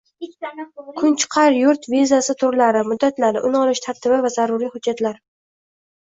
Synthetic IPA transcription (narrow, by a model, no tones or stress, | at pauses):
kʰʊnt͡ʃʰɪ̥qʰɑɾjʊɾt̪vizasɪt̪ʰʊɾlaɾɪmʊd̪ːat̪laɾɪʔʊnɒlɪʃt̪ʰaɾt̪ʰɪbɪvazaɾʊɾijhʊd̪d͡ʒːat̪laɾ